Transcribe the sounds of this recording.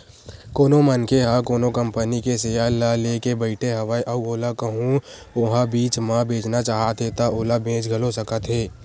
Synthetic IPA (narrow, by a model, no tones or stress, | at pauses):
koːnomənkeɦakoːnokɐ̃mpənikesejalaleːkebɐɪʈʰeɦɐʋaːiʔɐoːlakɐɦũoɦãbiːt͡ʃmãbʱeːd͡ʒnat͡ʃaːɦat̪et̪aoːlabẽːt͡ʃɡʱɐlosɐkət̪ɦeː